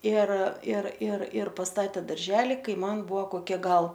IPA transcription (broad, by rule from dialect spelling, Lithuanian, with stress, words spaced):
ɪr ɪr ɪr ɪr pɐsˈtɑːtʲeː dɐrʲˈʒʲæːlʲɪ ˈkɐɪ ˈmɐn ˈbʊʋoː koːˈkʲiɛ ˈɡɐlˠ